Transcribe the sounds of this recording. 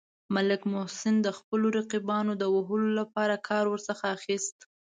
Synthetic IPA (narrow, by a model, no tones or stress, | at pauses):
malɪkmʊhsɪnd̪əxpəloɾaqibɑnod̪əwaɦəlolapɑɾakʰɑɾwəɾsəxaːxist̪